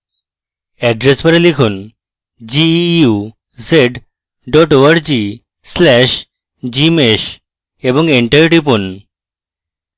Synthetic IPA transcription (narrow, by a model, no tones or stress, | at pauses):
æɖɾespəɾəlikʰuːn | d͡ʑiju | d͡zeɖ | ɖɔʈoəɽd͡ʑi | slæɕ | d͡ʑimeɕ | ebə̃ŋɡeɳʈaiʈipun